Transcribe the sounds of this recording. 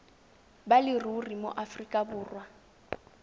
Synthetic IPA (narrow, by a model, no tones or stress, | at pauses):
balɪrurimo̰ʔafrikʼabʊːrwa